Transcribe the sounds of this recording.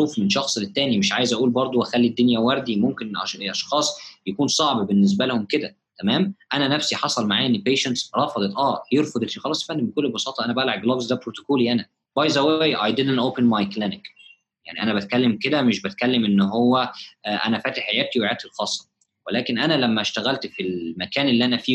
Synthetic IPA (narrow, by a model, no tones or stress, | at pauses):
ɾuːfmenʃɑxsˤelet̪ːæːnimeʃʕaːjezʔæʔuːlbɑɾˤd̪ˤoʔæxælːid̪ːonjæwæɾˤd̪imomkenʔɑʔɑʃxɑːsˤjækuːnsˤɑʕbbenːes̬bælehomked̪æ | t̪æmæːmʔænænæfsiħɑsˤɑlmaʕaːenːipeːʃænt̪sɾˤɑfɑd̪ˤet̪ˤʔæːjeɾfɑd̪ˤefixɑlɑːsˤfænːibekolːbɑsˤɑːt̪ˤɑʔænæbælʕɑɡ̚lɑbzd̪æbpɾot̪o̥koːliʔænæ | bæːjzæwæːjʔɑjd̪elænʔoːpenmɑjklænek | ja̰ʕniʔænæbæt̪̚kælːemked̪æmeʃbæt̪̚kælːemʔenːɦowːæʔæ̰næfæːt̪eħejæːt̪iweʕaːt̪ilxɑːsˤːɑ̥ | welæːkenʔænælæmːæʃt̪æɣælt̪filmækæːnʔelːiːʔænæfiː